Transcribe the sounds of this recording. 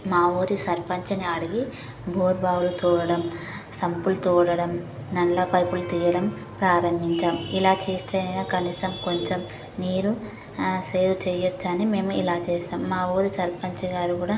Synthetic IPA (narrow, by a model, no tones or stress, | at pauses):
maːoːɾisɐɾpɐɲt͡ʃɐniɐɽiɡi | bʱoːɾbʱaːwulut̪uːɽɐɽɐm | sɐmpult̪uːɽɐɽɐm | nɐnlɐpɐjpulut̪iːjɐɽɐm | pɾaːɾɐmbʱiɲt͡ʃaːmilaːt͡ʃeːst̪ʰeːɐjnaːkɐniːsɐmko̞ɲt͡ʃem | niːɾu | seːwut͡ʃɛːjot͡ʃːanime̞ːmuilaːt͡ʃɛːsaːmːaːoːɾisɐɾpɐɲt͡ʃɐɡaːɾukuːɽaː